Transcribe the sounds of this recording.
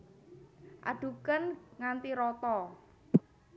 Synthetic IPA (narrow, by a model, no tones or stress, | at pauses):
ʔa̰ɖ̪̥ṳkənŋant̪iɾɔt̪ɔ